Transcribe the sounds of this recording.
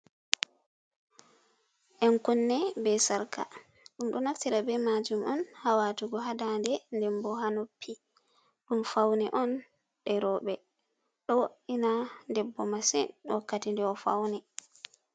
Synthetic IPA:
ʔɛnkunːɛbɛsaɾka̰ | ɗumɗɔnaftiɾabɛmad͡ʒumʔɔnhawatuɡɔɦadandɛndɛmbɔɦanopʰːi | ɗumfawnɛʔɔn | ɗɛɾɔɓɛ | ɗɔwoʔinandɛbːɔmasɛ̰nwɔkːatindɛɔfa̰wnɛ

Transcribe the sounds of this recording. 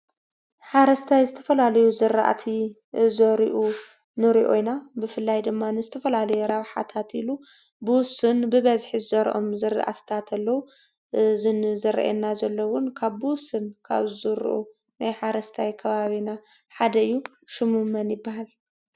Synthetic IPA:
ħaɾɐst̪ʰajzɨt̪ʰɐ̥fɐlalɐjuzɨɾa̰ʔat̪ʰi | zoɾiʔu | nɨɾiʔo̰jnabɨfɨlːajd̪ɨmːanɨzɨt̪ʰɐfɐlalɐjɛɾaβħa̰t̪ʰat̪ilu | buwsɨnbɨβɐzħizɨzɐɾʔomzɨɾ̰ʔa̰t̪ʰt̪ʰat̪ʰɐlːɐwu | zɨnzɨɾ̰ʔɛ̰nːazɐlːɐwʊnkʰaβbɨwsɨnkʰa̰βɨzɨɾ̰ʔu | najħaɾɐst̪ʰajkʰɐβaβina | ħad̪ɐɨjːu | ʃɨmɨmɐnjɪbːahal

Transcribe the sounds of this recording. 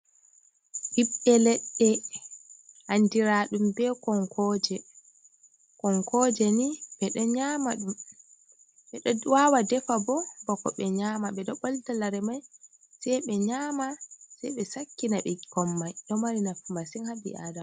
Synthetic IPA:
ɗiɓːɛlɛɗːɛ | handiɾaɗumbɛkɔŋkʰɔd͡ʒɛ | kɔŋkɔd͡ʒɛniɓɛɗɔɲaːmaɗum | ɓɛɗɔwawadɛfabɔbɔkɔ̰ɓɛɲaːmaɓɛɗɔɓɔltalaɾɛmaj | sɛjɓɛɲaːmasɛjɓɛsakːinaɓɛkɔmːajɗɔmaɾinafmasiŋhabḭʔa̰ːdam

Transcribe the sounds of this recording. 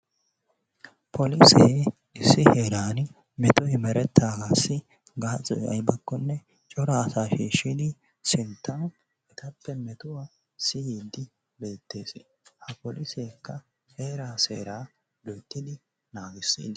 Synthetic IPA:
pʰɔlɪseː | ɪsːɪheːɾaːn | mɛt̪ɔjmɛɾɛt̪ːaːɡaːsːɪ | ɡaːt͡sʼɔ̰jɐ̰jbɐkːɔnːɛ | t͡ʃʼɔɾaːsaːʃiːʃːid̪ɪ | sɪnt̪ːɐn | ʔɛt̪ɐpːɛmɛt̪ʊwa | sɪjiːd̪ɪ | be̞ːt̪ːe̞ːsɪ | hɐpɔlɪseːkːɐ | he̞ːɾaːsḛːɾaː | d̪ɔjt̪ːɪd̪ɪ | naːɡɪsːḭːd̪

